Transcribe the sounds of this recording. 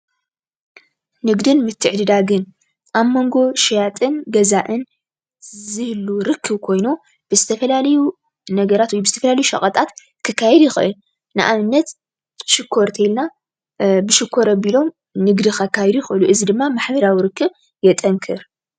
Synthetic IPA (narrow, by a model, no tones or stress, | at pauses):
nɨɡd̪ɨnmɨt̪ʰːɨʕd̪ɨd̪aɡɨn | ʔaβmo̞ŋɡo̞ʃijat̪ʼɨnɡɐzaʔɨn | zɨhlːuɾɨkʰːɨβkʰo̞jno | b̥ɨzɨt̪ʰɐfɐlalɐju | nɐɡɐɾat̪wɔjbɨzɨt̪ʰɐfɐlalɐjuʃɐ̰χʼɐt̪ʼat̪ | kʰɨkʰːajɛd̪jɪxɨʔɨl | nɨ̰ʔaβɨnːɐt̪ | ʃɨkʰːo̞ɾt̪ʰelna | bɨʃɨkʰːo̞ɾɐbilo̞m | nɨɡd̪ixɐkʰːajɛd̪ujxɨʔɨluʔɨzid̪ɨmːamaħbɐɾawiɾɨkːɨβ | jɛt̪ʼɐŋkʰɨɾ